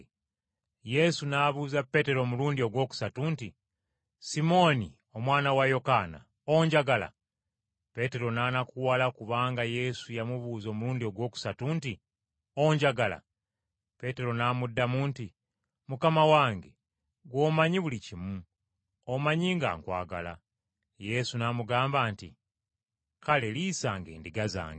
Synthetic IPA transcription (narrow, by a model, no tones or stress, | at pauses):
je̞sunaːβuzapːe̞te̞ɾo̞ːmuluːndio̞ɡwo̞ːku̥satuːnti | simo̞ni | o̞mwaːnawajo̞kaːna̰ | o̞ɲɟaɡala̰ | pe̞te̞ɾo̞naːnakuwalakuβaːŋɡaje̞sujamuβuːzo̞ːmuluːndio̞ɡwo̞ːku̥satuːnti | o̞ɲɟaɡala̰ | pe̞te̞ɾo̞naːmudːamuːnti | mukamawaːŋɡe̞ | ɡwo̞ːmaɲiβulicimu | omaɲiːŋɡa̰ːŋkwa̰ːɡa̰la̰ | je̞sunaːmuɡaːmbaːntḭ | kale̞liːsaːŋɡḛːndiɡaza̰ːŋɡe